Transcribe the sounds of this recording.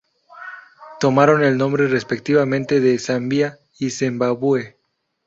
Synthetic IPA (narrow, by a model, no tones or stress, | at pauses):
t̪o̞maɾo̞ne̞lnõmbɾerespek̚t̪iβamẽnt̪e̞ðe̞sambja | isembaβue